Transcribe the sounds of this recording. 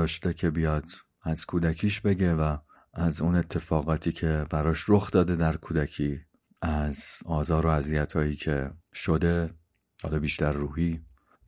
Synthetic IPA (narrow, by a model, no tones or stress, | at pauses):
ɒːʃt̪e̞cʰe̞bijɒːd̪̥ | æz̥kʰuːd̪æcʰiːʃbe̞ɟe̞væː | zune̞t̪ʰːe̞fɒːɣɒːt̪ʰiːcʰe̞bæɾɒːʃɾoxd̪ɒːd̪e̞d̪æɾkʰuːd̪æcʰiː | æzɒːzɒːɾo̞æzijæt̪ʰɒːjiːcʰe̞ʃod̪e̞ | hɒ̰ːlɒːbiːʃt̪æɾːuːhiː